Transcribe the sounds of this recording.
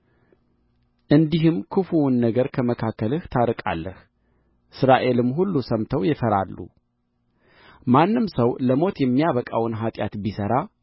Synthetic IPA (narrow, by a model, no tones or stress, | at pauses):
ʔɨnd̪iɦɨmkʰɨfuwnːəɡəɾkʰəməkʰakːəlɨht̪ʰaɾɨkʼa̰lːəh | ʔɨsɾaʔe̞lɨmɦulːusəmt̪ʰəwjɛfəɾalːṵ | manːɨmsəwləmo̞t̪jɛmːijaβəkʼa̰wnɦat̪ʼja̰t̪bisəɾa